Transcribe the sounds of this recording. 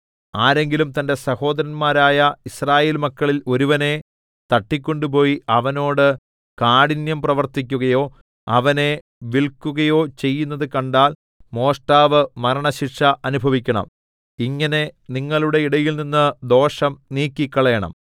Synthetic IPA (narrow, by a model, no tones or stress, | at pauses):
aːɾe̞ŋɡilumt̪ɐnde̞sɐho̞ːd̪ɐɾɐnmaːɾaːjɐisraːjeːlmɐkːɐɭilo̞ɾuʋɐne̞ | t̪ɐʈːikʲːo̞ɳɖup̬o̞ːjiɐʋɐno̞ːɽɨ | kaːɽinjɐmprɐʋɐrt̪ikʲːuɣɐjo̞ː | ɐʋɐne̞ | ʋiɭkːuɣɐjo̞ːt͡ɕe̞jːunːɐðɨkɐɳɖaːl | mo̞ːʂʈaːʋɨmɐɾɐɳɐɕiʈʂɐʔɐnubʱɐʋikʲːɐɳɐ̰m | iŋːɐne̞niŋːɐɭuɽe̞iɽɐjilninːɨd̪o̞ːʂɐmniːkʲːikːɐɭɐjɐɳɐ̰m